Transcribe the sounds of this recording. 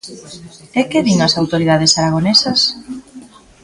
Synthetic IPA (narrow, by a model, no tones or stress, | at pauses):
ɛkeβiŋɐsawt̪oɾiðað̞esaɾaɣ̞onesɐs